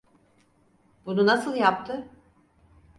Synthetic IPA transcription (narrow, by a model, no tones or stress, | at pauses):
b̥ununasɯlˠjapt̪ʰɯ